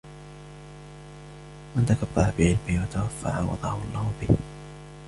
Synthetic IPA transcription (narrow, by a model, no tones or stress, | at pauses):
mant̪akabːɑɾˤabɪʕɪlmɪwat̪awafːa̰ʕa̰wɑ̰d̪ˤɑːhʊʔɑlˤːɑːhʊbɪh